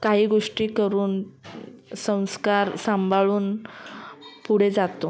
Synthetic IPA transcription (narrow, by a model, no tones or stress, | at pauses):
kaɦiːɡoʂʈiːkəɾuːn | sə̃w̃skaɾsambʱaɭuːn | puɽ̤ed͡zat̪o